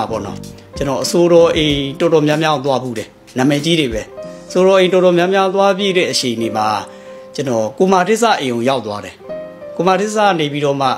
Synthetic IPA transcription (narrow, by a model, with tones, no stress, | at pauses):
a˨bɔ̰˦˨nɔ̰˦ | t͡ɕə˨nɔ˨ʔəso˨ɾɔ˨ʔẽ˨tɔ˨dɔ˨mjã˦mjã˦˨t̪wa˦bṵ˦˨ɾɛ˨ | nã˨mɛ˨t͡ɕi˦ɾe˨βɛ˨ʔəso˨ɾɔ˨ʔẽ˨ɪ̃tɔ˨ɾɔ˨mjã˦mjã˦t̪̬wa˦bjḭ˦˨ɾɛ˦˨ʔəʃe˨ə̃˨ne˨ma˨ | t͡ɕə˦nɔ˨ko˨ma˨tɪ˦sa̰˦˨ʔẽ˨õ˨ja˦ʊʔt̪wa˦ɾɛ˨ko˨ma˨dɪ˦ʔsa̰˦˨ne˨pi˦ɾɔ˦˨ma̰˦˨